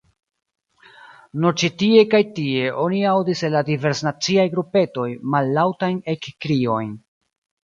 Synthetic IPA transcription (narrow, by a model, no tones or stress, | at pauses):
nuɾt͡ʃitie̞kajtie̞ʔo̞niawdiselːadive̞ɾsnat͡siajɡɾupe̞to̞jmalːawtajne̞kːɾio̞jn